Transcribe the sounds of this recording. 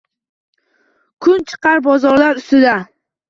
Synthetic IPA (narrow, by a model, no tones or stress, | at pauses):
kʰʊnt͡ʃʰɨ̥qʰɑɾbɒzɒɾlaɾʊst̪ɪd̪a